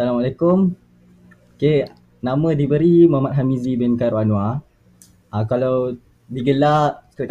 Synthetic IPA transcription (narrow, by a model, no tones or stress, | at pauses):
salamalekʊm | oke | namə̃dibəɾimə̃mat̪̚ɦamizibɛnkaɾuanw̃a | akalaw | diɡəlaʔkələk